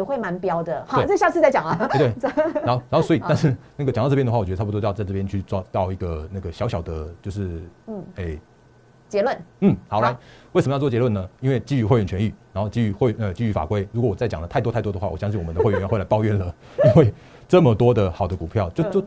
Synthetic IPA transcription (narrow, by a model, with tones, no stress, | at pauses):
xwe˥˩ɪma˧˥npjɑ˥ʊd̪ə˨˧we˥˩˨ɕja˥˧t͡sʰɹ̩˥˧t͡sa˥˩t͡ɕɑ˨˩ŋɐ˦˥˧t̪we˥˨˥xo˥˧na˧˥xo˥˧˩swɔ˧˥i˨˩a˥˧nʂɻ̩˥˧na˥˩ɡə˩t͡ɕt̪ɑ˥˧ʈ͡ʂjd̪ə˧wa˥˩ɔ˨˩t͡ɕɛ˧˥˧o˥jɑ˥˧t͡sa˥˧ɪʈ͡ʂɤ˥˩pjɛ˧˥nt͡ɕʰy˥˩t͡swt̪ɑ˥˧ʊi˧˥ɡə˩na˥˩ɡə˩ɕjɑ˧˥ʊɕjɑ˨˩ʊd̪ə˦t͡ɕjo˥˧ʊʂɻ̩˥˩˥e˥˩ɪ | t͡ɕjɛ˧˥lwə˥˩nn̩˥˩xɑ˨˩ʊla˧˥ɪwe˥˩ə˧məjwjɛ˧˥lwə˥˩nə˩i˥nwe˥˧ɪt͡ɕi˥˧y˧˥we˥˧ɪɥɛ˥˩nt͡ɕʰɥɛ˧˥ny˥˩ɻa˧˥nxo˥˧ʊt͡ɕi˥˧y˥˧xwə˧˩t͡ɕi˥˩y˧˥fa̰˨˩kwe˥ɪɻu˧˥kwɔ˧˦wɔ˨˩t͡sa˥˩ɪt͡ɕɑ̰˨˩d̪ə˦t̪ʰa˥ɪt̪ɔ˥ɪt̪ɔ˥d̪əxwa˥˩wɔ̰˨˩jɑ˥˧ŋɕi˥˩˨wɔ˨˩ə˦d̪ə˥xɥɛ˥˧˩wla˧˥pɑ˥˧ʊɥɛ˥˩nlə˩ | i˥nwe˥˧ɪ | ʈ͡ʂə˥˩mə˨t̪wɔ˥d̪ə˨xɑ˨˩ʊd̪ə˦ku˨˩pʰjɑ˥˩ʊt͡ɕjo˥˧ʊjo˥˩ʊ